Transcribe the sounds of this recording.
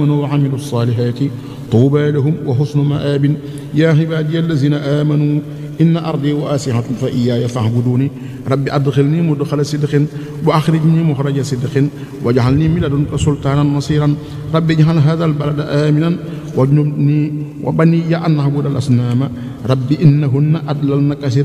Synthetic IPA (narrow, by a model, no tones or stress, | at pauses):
manuwaʕamiluɑsˤːɑːlɪħaːt̪i | t̪ˤuːbaːlaɦʊmwaɦʊsnʊmaʔaːbɪn | jaːħɪbaːd̪ijalːaziːnaʔaːmanuː | ʔɪnːaʔɑɾˤd̪ˤiːwaʔaːsɪhanfaʔijːaːjafaʕbuduːni | ɾˤɑbːiʔɐd̪xɪlnimʊdxalasɪd̪qɪn | bʊʔaxɾiɟnimʊxɾɐɟasɪdxɪn | wɐɟaʕalnimilɐdunkasult̪aːnanːɑsiːɾan | ɾˤɑbːiɟaɦalɦaːðaːlbaladaʔaːminan | wʔɐɲubniwʔa̰banːijaʔanːahbuːdalʔa̰snaːma | ɾˤɑbːiʔɪnːaɦʊnːaʔadlalnakɐsiːɾ